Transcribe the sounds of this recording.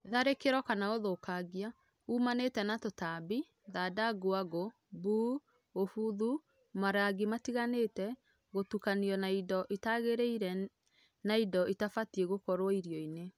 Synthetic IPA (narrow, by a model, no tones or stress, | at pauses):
ðaɾekeɾɔkanaoðokaɣia | umanetɛnatotabi | ðadaɡoaɣo | buː | ofuðu | maɾaɡimatiɣanetɛ | ɣotukaniɔnaidɔʔitaɣeɾeiɾɛ | naidɔitafatieɣokɔɾwɔiɾjɔine